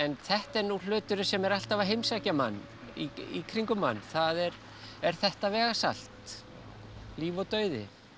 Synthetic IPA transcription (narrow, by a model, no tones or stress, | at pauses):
ɛnθɛht̪ɛɾnul̥ʏːt̪ʏɾʏnsɛmɛɾal̥t̪avaɦejmsacama̰nː | ḭikʰɾiŋkʏma̰nːθaðɛɾ | ɛɾ̥θɛht̪avɛːɣasal̥t̪ | liːvɔt̪œːɥðɪ̰